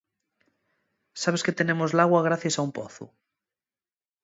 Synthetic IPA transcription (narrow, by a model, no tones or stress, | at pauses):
saβ̞esket̪enemozlaɣwaɣ̞ɾaθjasaumpoθṵ